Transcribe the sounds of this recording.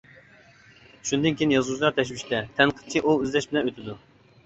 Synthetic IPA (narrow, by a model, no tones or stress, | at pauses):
ʃund̪ɨnkʲʰejinjɑzwuzlˠɑt̪ʰɛʃ̬wiʃt̪ɛt̪ʰɛnqʰə̥t͡ʃʰiʔuøzlɛʃbɪnɛøt̪ʰɪd̪u